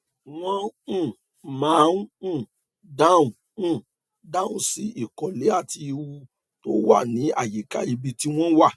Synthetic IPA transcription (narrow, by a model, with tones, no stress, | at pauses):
w̃ɔ̃˦˨ | mã˨˦ũ˦˨ | da˦˨wũ˨˦˨ | dã˦˨wũ˦si˦i˦˨kɔ˨le˨˦a˦˨ti˧wu˧ | to˦wa̰˦˨nĩ˨˦a̰˦˨ji˨ka˦i˧bi˧ti˦w̃ɔ̃˦wa˦˨